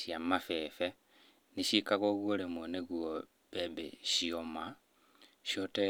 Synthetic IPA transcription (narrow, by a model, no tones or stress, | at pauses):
ʃiamafefe | niʃikaɣoɣuolemoneɣuo | β̥ebḛʃioma | ʃote